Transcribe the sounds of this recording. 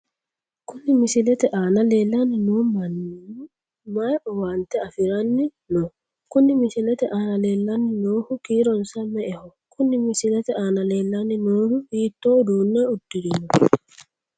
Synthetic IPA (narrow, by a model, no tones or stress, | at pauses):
kʊnːɪmɪsɪlɛt̪ɛʔaːnɐleːlːɐnːɪnuːmɐn | majʔɔwaːnt̪ɛɐfɪɾɐnːɪ | no | kʊnːɪmɪsɪlɛt̪ɛʔaːnɐle̞ːlːɐnːɪnoːhʊkiːɾɔnsɐmɛʔɛhɔ | kʰʊnːɪmɪsɪlɛt̪ɛaːnɐle̞ːlːɐnːɪnoːɾʊhiːt̪ːoːd̪uːnːɛʊd̪ːɪd̪ɪnɔ